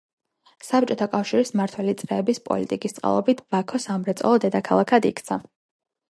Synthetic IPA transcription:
sap̚t͡ʃʼɔt̪ʰakʼafʃiɾismaɾt̪ʰwɛlit̪sʼɾɛːbispʼɔ̰lit̪ʼikʼist̪sʼqʼa̰lˠɔbit̪ʰb̥akʰɔsamɾɛt̪sʼɔ̰lˠɔd̪ɛd̪akʰalˠakʰad̪ḭkʰt̪sʰa

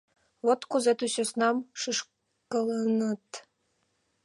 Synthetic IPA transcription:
βot̪kuzet̪ysʲøsnɑmʃɯʃ | kɤlənə̆t̪

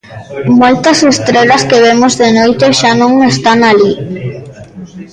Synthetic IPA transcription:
mojt̪ɐsest̪ɾeʎɐskeβ̞emozðenojt̪eʃanõŋest̪aŋali

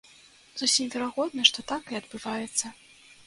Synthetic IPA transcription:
z̥usʲimvʲɛɾaɣɔd̪̚nɐʂt̪ɔt̪akɨɐd̪bɨvajɛt̪sːɐ

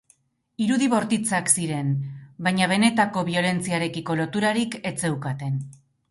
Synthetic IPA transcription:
iɾuðiβo̞ɾt̪it͡saksiɾe̞nbaɲaβ̞e̞ne̞t̪ako̞βio̞le̞nt͡siaɾe̞kiko̞lo̞t̪uɾaɾike̞t͡se̞wkat̪e̞n

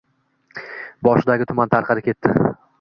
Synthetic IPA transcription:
bɒʃɪd̪aɡʲɪt̪ʰʊmant̪ʰaɾqʰɑɾɪkʲʰe̞t̪ːɪ

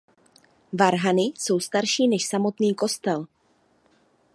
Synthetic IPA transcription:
vaɾɦanɪso̞wst̪aɾʃiːnɛʃsamo̞t̪niːko̞st̪ɛl

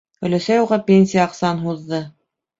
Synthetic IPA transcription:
ɵ̆læsæjuʁɑpʲenʲsʲijəɑqsɑnɦuðːɤ

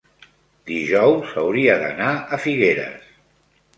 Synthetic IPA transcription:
d̪iʒɔwsəwɾiəðə̰naəfiɣeɾə̰s

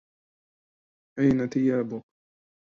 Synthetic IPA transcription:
ʔajnat̪ɪjaːbʊk

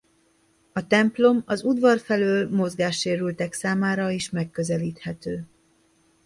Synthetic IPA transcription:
ɒt̪ɛmplo̞mɒzud̪vɒrfɛløːlmo̞zɡaːʃːeːɾylt̪ɛksaːmaːɾɒiʃmɛkːøzɛliːt̪hɛt̪øː

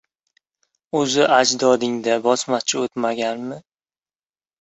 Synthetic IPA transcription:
ɵzɪʔad͡ʒd̪ɒd̪ɪŋd̪abɒsmat͡ʃʰɪot̪maɡʲanmɪ

